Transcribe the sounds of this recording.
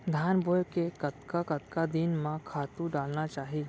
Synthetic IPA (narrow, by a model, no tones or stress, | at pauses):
d̪ʱaːnboːjkekɐt̪kakɐt̪kad̪inmãkʰaːt̪ũɖaːlnat͡ʃaːɦiː